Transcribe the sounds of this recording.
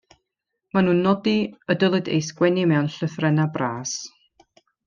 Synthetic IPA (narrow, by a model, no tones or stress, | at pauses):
manuːnːɔdiədəlˠɨdḛjsɡwɛnimɛwnɬəθrɛnabraːs